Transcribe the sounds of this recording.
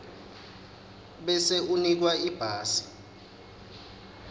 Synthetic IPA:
ɓɛseunik̬waib̥ʱaːsi̥

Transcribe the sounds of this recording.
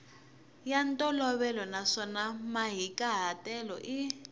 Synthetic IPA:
jantʼɔlɔβɛlɔnaʂɔnamaɦikʼaɦatʼɛlɔʔi

